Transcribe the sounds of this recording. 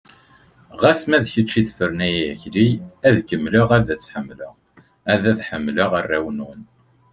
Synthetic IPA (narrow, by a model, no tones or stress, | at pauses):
ʁæsmæðçət͡ʃːiðfəɾnæjæçɾiæðkəmːləʁæðæt͡sːħəmːləʁ | æðæðħəmːləʁərːæwənwən